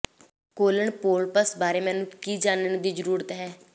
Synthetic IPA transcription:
koːləɳpoːlpəsbaːɾeːmɛ̃ːnũːkiːd͡ʒaːnəɳd̪iːd͡ʒəɾuːɾət̪ɦɛː

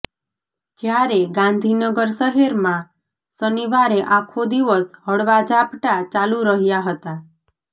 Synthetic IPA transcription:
d͡ʒjaɾeɡãnd̪ʱinəɡəɾsəɦeɾmã | səniʋaɾeʔãkʰod̪iʋəsɦəɽʋad͡ʒapʈat͡ʃaluɾəɦjaɦət̪a

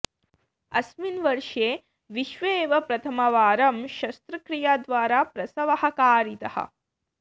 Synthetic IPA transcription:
ɐsminʋɐɾʂeː | ʋiʃʋeːʋɐpɾɐt̪ʰɐmɐʋaːɾɐmʃɐst̪ɾɐkɾijaːd̪ʋaːɾaːpɾɐsɐʋɐhɐkaːɾit̪ɐhɐ̰

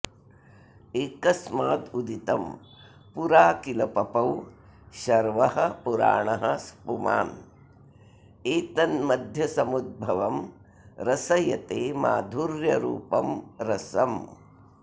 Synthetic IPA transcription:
eːkɐsmaːd̪ud̪it̪ɐm | puɾaːkilɐpɐpɐwʃɐɾʋɐɦɐ̆puɾa̰ːɳɐɦɐ̆spuma̰ːn | eːt̪ɐnmɐd̪ʱjɐsɐmud̪̚bʱɐʋɐm | ɾɐsɐjɐt̪eːma̰ːd̪ʱuɾjɐɾṵːpɐmɾɐsɐm

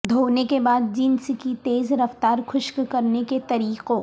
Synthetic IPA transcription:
d̪ʱoːnekebaːd̪̚d͡ʒɪnskit̪eːzɾɐft̪aːɾxʊʃkkɐɾneket̪ɐɾiːqo

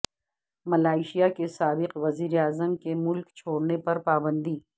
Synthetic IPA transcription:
mɐlaːɪʃijakesaːbɪqʋɐziːɾeaːzəmkemʊlkt͡ʃʰoːɽnepɐɾpaːbə̃nd̪iː

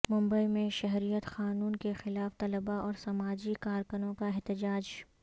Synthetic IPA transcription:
mʊ̃mbəimẽʃɐɦɾijət̪xaːnuːnkexɪlaːft̪ɐləbaɔːɾsɐmaːd͡ʒikaːɾkʊnõkaɪɦt̪ɪd͡ʒaːd͡ʒ

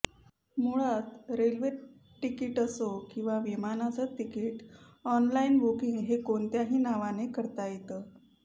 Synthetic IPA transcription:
muɭat̪ɾelʋe | ʈːikiʈəsokĩw̃ʋaʋimanat͡sət̪ikiːʈ | ɔnlainbokiŋɡɦekoɳt̪jaɦiːnaʋanekəɾt̪ajet̪əː

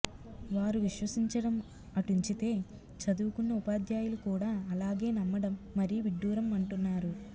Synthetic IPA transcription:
ʋaːɾuʋiʃʋɐsiɲt͡ʃɐɽɐm | ɐʈuɲt͡ʃit̪e̞ː | t͡ʃɐd̪uːkunːɐupaːd̪jaːjulukuːɽaːɐlaːɡe̞ːnɐmːɐɽɐmːɐɾijuʋiɖːuːɾɐmɐɳʈunːaːɾu

